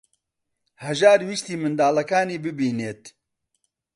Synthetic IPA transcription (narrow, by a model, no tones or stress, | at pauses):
hɛʒaːɾwiːst̪iːmɨnd̪aːlɐkaːniːbɨbiːneːt̪